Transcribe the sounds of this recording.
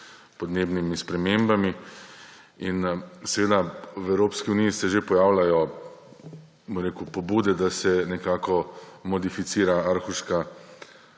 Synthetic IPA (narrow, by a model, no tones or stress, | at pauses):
pɔd̪neːbnimispɾɛmembami | insɛʋeːd̪awɛwɾoːpskiuniːsɛʒepɔjaːwlajɔ | bɔmɾeːkupɔbuːd̪ɛd̪asɛnɛkaːkɔmɔd̪ifit̪siːɾaaɾxuʃka